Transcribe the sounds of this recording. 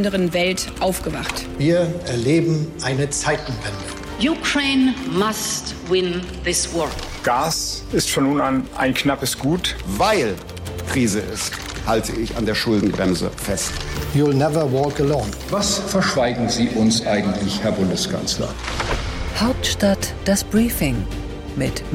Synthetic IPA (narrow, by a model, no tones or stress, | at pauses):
ndəʁənvɛltʔaʊfɡ̥əvaχtviːɐɛɐleːbm̩ʔaɪnət͡saɪtn̩vɛndə | jukʰɹẽɪnmastwɪ̃n | ðɪswɔɹ | ɡ̥aːs | ɪstfɔnːuːnanʔa̰ɪnknapəsɡ̥uːtvaɪl | kʁ̥iːzəɪst | haltʰəɪça̰ndeːɐʃʊldn̩bʁɛmzə̰fɛstjulnɛvə˞wɔːkəlɔ̃ʊn | vasfɛɐʃv̥aɪɡŋ̩ziːʔʊnsʔaɪɡŋ̩tʰlɪçhɛɐbʊndəskʰa̰nslɐ̰ | haʊp̚tʃtatd̥asb̥ʁiːfɪŋ | mɪt